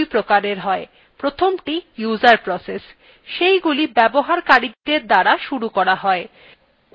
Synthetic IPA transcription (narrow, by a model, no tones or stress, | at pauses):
ipɾokaɾeɾɦɔe | pɾot̪ʰomʈijuzaɾpɾɔses | ʃejɡulibɛboɦaɾkaɾid̪eɾd̪aɾaʃuɾukɔɾaɦɔe